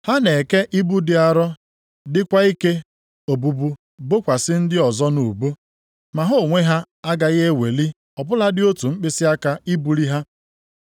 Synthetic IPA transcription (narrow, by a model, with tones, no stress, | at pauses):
ha˦ne˨ke˦ʔi˦bu˦dɪ˨a˨ɾɔ˦ | dɪ˦kʷa˦i˦ke˦ | o˨bu˨bu˦ | bo˦kʷa˨sɪ˦n̩˦dɪ˦ɔ˨zɔ˦nu˨bu˦ | ma˨ɦo˦˨ŋʷe˦ɦa˦ | a˦ɡa˨ɣe˦we˨li˦ | ɔ˨pʊ˦la˦dɪ˦o˦tu˨ŋ͡m̩˦k͡pɪ˦sɪ˦a˦ka˦i˦bu˨ɾi˦ɦa˦